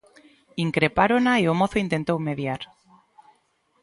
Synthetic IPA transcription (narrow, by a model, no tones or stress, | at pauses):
iŋkɾepaɾonaeomoθoint̪ent̪owmeðjaɾ